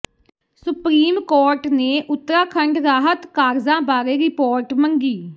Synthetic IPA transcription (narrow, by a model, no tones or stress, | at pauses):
sʊpɾiːmkoːɾʈneːʔʊt̪ːɾãːkʰəɳɖɾaːɦət̪kaːɾzãːbaːɾeːɾɪpoːɾʈməŋɡiː